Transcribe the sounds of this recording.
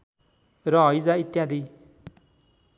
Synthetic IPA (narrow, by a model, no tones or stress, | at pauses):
ɾɔɦːjzait̪jad̪i